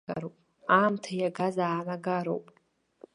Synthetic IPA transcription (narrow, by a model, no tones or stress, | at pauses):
a̰ɾowpʼ | aːmtʰajaɡazaːnaɡaɾo̰wpʼ